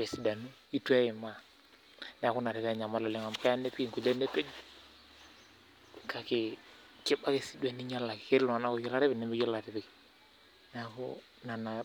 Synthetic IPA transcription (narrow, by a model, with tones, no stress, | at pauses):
bɛ˨si˨da˨nu˦ | i˦tɛ˦ɪ˨ma˦˨ | nɛ˨a˨kʊ˦na˨ɾe˨βa˦˨ɲa˨ma˦lɔ˨lɛ˨ŋa˨m˨ka˦ja˦ne˦pi˦˨ŋku˨le˦ne˦pe˦d͡ʒ | ka˨kɪ˨ | kɪ˦ba˦ke˨si˨˦dɛ˨ni˦ɲa˦la˨kɪ̥˨ke˦ɾlɔ˨a˨na˦ko˨jɛ˦la˦ɾe˦bɪ˨ne˨˦mi˦jɛ˦la˨ɾɪ˦bɪ˨k | n˦a˨kʊ̰˦ | na˨na˨